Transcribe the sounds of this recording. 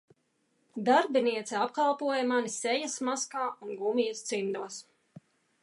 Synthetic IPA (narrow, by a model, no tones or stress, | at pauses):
d̪aɾbiniɛt̪sɛap̚kalˠpuɔjɛmanisɛjasmaskaːunɡumijɐst̪simd̪uɔs